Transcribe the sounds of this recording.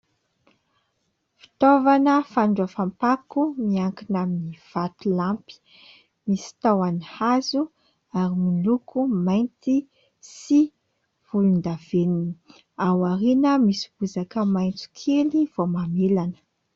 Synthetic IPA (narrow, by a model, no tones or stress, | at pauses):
fi̥t̪ovanəfaɳɖ͡ʐafampakumiaŋkinaminiv̥at̪ulampi̥ | misi̥t̪awanihazu | aɾimilukʰumajnt̪i | si | v̥ulund̪av̥enini | awaɾinəmisib̥uzakəmajnt͡su̥kʰeliv̥omamelanə̥